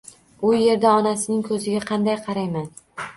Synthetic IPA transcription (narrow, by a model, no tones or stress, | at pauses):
ʊje̞ɾd̪aɒnasɪnɪŋkʰɵzɪɡʲaqʰɑnd̪ajqʰɑɾajman